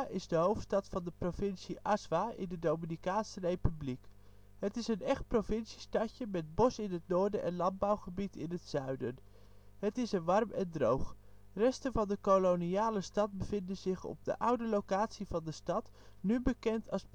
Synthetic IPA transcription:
ʔɪzdəɦowftstɑtfɑndəprovɪnsiʔɑsʋaːʔɪ̰ndədowminikaːnsərejpyblik | ɦətɪsənɛχt̚provɪnsi̥stɑcəmɛd̚bɔsɪnɦətnʊːɹdəʔɛnlɑn̚bawχəbitɪnɦətsœɥdən | ɦətɪsəʋɑrmɛndrowχ | rɛstənvɑndəkoloniaːləstɑt̚bəv̥ɪndənzɪχɔ̰b̚də̰ʔʌwdəlowkaːtsivɑndəstɑt | nybəkɛntʰɑs

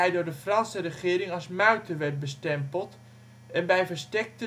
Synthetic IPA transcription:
ɛjdʊːɹdəfrɑnsərəχɪːɾɪŋɑsmœɥtəʋɛrt̚bəstɛmpəlˠt | ɛnbɛjfəɹstɛk̚tə

